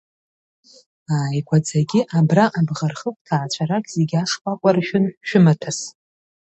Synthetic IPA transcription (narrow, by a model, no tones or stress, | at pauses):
aːikʷʰad͡zaɡʲɪʔabraʔabʁarχəkʷʼtʰaːt͡ɕʷʰaɾakʲʼz̥eɡʲaʂkʷʼakʷʼarʃᶣʊnʃᶣʊmatʰas